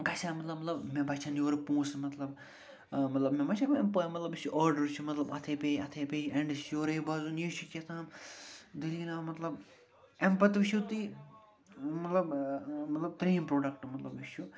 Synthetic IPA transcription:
ɡɐsʲamɐt̪lɐbmːɐt̪lɐbmebɐt͡ʃʰanjoːɾpũːsmɐt̪lɐb | mɐt̪lɐbmebɐt͡ʃʰabempəːjmɐt̪lɐbiʃuʔaːɾɖɐɾt͡ʃʰumɐt̪lɐbɐt̪ʰepeɐt̪ʰepeeɳɖisjoːɾeibɐzunjiʃuket̪ʰãːmd̪iliinaːmɐt̪lɐb | empɐt̪ʋiʃjut̪i | mɐt̪lɐbmɐt̪lɐb̚t̪ɾiːmpɾoːɖɐkʈmɐt̪lɐbiʃu

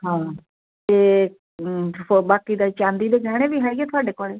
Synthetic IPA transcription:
ɦãː | t̪eː | obaːkiːd̪aːt͡ʃãːnd̪iːd̪eːɡɛːɽ̃eːʋiːɦɛːɡeːt̪ʰʊaːɖeːkoːɽeː

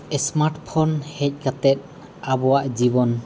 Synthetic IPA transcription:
ɛsmaɾʈpʰɔnhɛc̚ˀɡat̪ɛt̪̚ | abɔwaʔd͡ʒibɔn

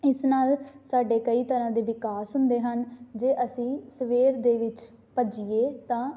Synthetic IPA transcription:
ɪsnaːlsaːɖeːkəiːt̪əɾãːd̪eːʋɪkaːsɦʊnd̪eːɦənd͡ʒeːʔəsĩːsəʋeːɾd̪eːʋɪt͡ʃ | pəd͡ʒiːeːt̪ãː

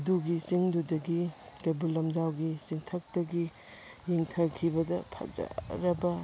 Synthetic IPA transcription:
ɐduɡisiŋdudɐɡikɐbulːɐmd͡ʒawɡisiŋtʰɐk̚tɐɡi | jiŋtʰɐkʰibɐdɐpʰɐ̰k̚za̰ɾɐbɐ

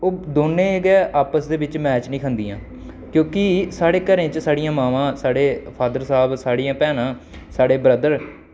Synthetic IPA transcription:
oːd̪oːnːẽːɡɛːʔaːpəsd̪eːbɪt͡ʃmɛːt͡ʃnĩːkʰənd̪iːã̰ː | kjõːkɪsaːɽeːkəɾẽːt͡ʃsaːɽijãːmaːʋãːsaːɽeːpʰaːd̪əɾsaːbsaːɽijãːpɛːnãːsaːɽeːbɾəd̪əɾ

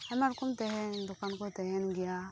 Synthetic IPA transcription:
amaɾkumtehedukankotehenɡija

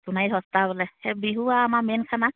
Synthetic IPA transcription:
sunajɦɔst̪aβɔlɛhɛbiɦuwaːmamenkʰana

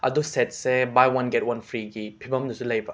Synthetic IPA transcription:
ɐ̰dusɛt̚sebajwɐnɡɛt̚wɐnpʰɾiɡipʰibɐmdusulɐjba

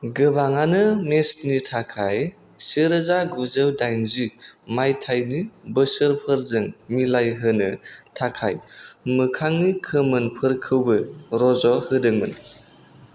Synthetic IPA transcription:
ɡɯbaŋanɯmesnitʰakʰaj | siɾɯzaɡɔzɯwdajnzimajtʰajnibɯsɯɾpʰɯɾzɯŋmilajɦɯnɯtʰakʰa̰jmɯkʰaŋnikʰɯmɯnpʰɯɾkʰɯwbɯɾɔzɔhɯdɯŋmɯn

